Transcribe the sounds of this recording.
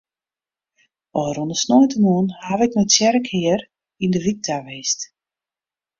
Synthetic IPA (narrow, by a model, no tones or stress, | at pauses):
ɔəɾundəsnojtəmuənhaʋɛknɔtsjɛɾəkhɪər | indəʋik̚tʰaʋeːst